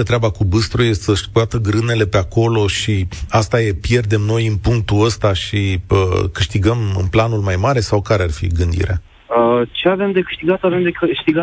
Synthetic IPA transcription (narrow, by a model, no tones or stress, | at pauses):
ət̪ɾeabakubɨst̪ɾujessəʃkat̪əɡɾɨne̞le̞pe̞ako̞lo̞ʃiast̪aje̞pje̞rd̪e̞mno̞jɨnpuŋk̚t̪uəst̪aʃiəkɨʃt̪iɡəmɨ̰nplanulmajmaɾe̞sawkaɾearfḭɡɨnd̪ḭɾea̰ | ət͡ʃeave̞md̪e̞kɨ̥ʃt̪iɡat̪ave̞md̪ekʃt̪iɡa